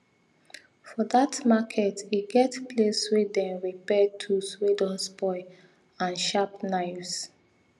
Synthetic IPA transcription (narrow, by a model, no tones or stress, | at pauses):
fɔdatmakʰɛtiɡɛtpleswedɛ̃nɹipɛtʰuswedɔ̃nspɔɪ | ãnʃapnaɪfs